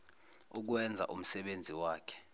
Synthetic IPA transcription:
uk̬wɛnd͡zʱa̰ʔum̩sɛɓend͡zʱiwaːkʰɛ̥

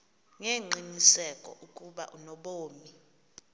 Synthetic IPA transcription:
ŋeŋ͡ǃinisɛkʼɔ̰ʔukʼuɓa̰ʔunɔɓoːmi

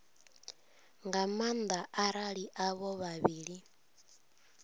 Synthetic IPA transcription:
ŋɡamand̪aʔaɾaɺiʔaβɔβaβiːɺi

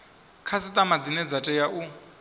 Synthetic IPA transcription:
kʰasɪt̪ʼamad͡zinɛd͡zatʼɛjaʔu

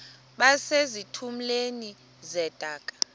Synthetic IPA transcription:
ɓasezitʰum̩leni | zɛd̥ʱaːkʼḁ

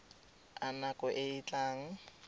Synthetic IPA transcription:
anakɔʔɪit͡ɬaːŋ̩

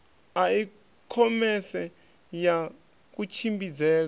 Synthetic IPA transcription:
ai | kʰɔmɛsɛ | ja | k̬ʼut͡ʃʰimbid͡zɛːla

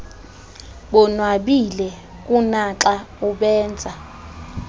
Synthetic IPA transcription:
ɓɔnwaɓilɛ | k̬ʼunaǁʼauɓɛːnd͡zʱa

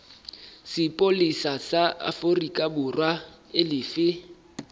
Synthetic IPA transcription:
sɪpʼolisasaa̰forikʼabʊrwa | ɪlɪːfɪ

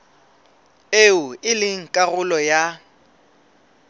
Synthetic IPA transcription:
eʊɪlɪŋ̩kʼaɣʊlɔja

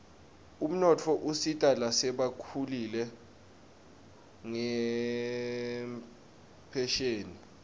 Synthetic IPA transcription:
um̩nɔtʰɔʔusitʼalasɛɓakʰulilɛ | ŋɛ | pʰɛʃeːni

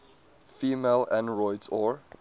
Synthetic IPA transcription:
fiːmelæ̃nɹɔɪdsɔɹ

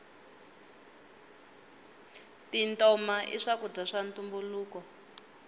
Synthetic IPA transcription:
tintɔmaʔḭʂakub͡ʐaʂantumbuluːkɔ

